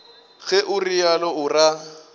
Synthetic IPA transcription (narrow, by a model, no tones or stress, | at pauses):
ɣɛʔʊrijalɔʊra